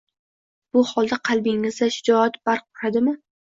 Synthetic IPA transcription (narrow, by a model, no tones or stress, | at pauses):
b̥ʊhɒlˠd̪aqʰɑlˠbɪŋɪzd̪aʃɪd͡ʒɒat̪b̥aɾq̚ːʊɾad̪ɪmɪ